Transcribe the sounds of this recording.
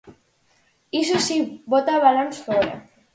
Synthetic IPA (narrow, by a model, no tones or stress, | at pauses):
is̬osibot̪aβalansfoɾa̰